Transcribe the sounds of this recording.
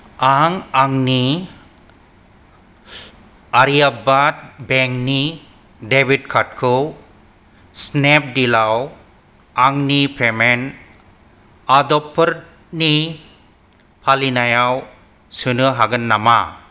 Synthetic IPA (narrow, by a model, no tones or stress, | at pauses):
aŋaŋni | aɾijabat̪̚bɛŋkni | debid̚kʰat̚kʰu | snɛp̚dilaw | aŋnipʰemɛn | ad̪ɔpʰːəɾ | ni | pʰalinajaw | sɯnɯɦaɡənːama̰